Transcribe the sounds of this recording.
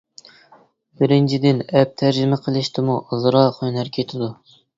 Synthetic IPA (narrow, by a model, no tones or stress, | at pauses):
b̥ɪɾɪnt͡ʃʰid̪ɪnɛp̚t̪ʰæɾd͡ʒɪmɪqʰəlˠɪʃt̪ʰɪmuʔzɾɑχønæɾkʲʰet̪ʰɪd̪u